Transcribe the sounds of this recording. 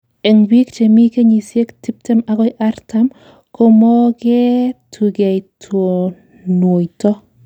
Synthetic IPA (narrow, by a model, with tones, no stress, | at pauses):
e˨ŋbi˦kt͡ʃe˨mi˦ke˦ɲi˨sje˦kti˦p̚tɛ˦ma˦ɡɔ˦jʔa˦ɾta˦m | ko˦mɔ˦ɡɛ˦tʰu˨ɡe˨jtʰo˨ | nwo˨jtɔ˦